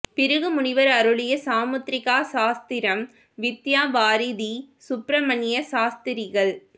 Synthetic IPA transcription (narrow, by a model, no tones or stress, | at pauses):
pɪɾɯɣɯmʊɳɪʋɐɾɐɾɯɭɪjɐsaːmɐt̪ɾɪɣaːsaːst̪ɪɾɐm | ʋɪt̪ːjaːʋaːɾɪðisʊpɾɐmɐnjɐsaːst̪ɪɾɪɣɐɭ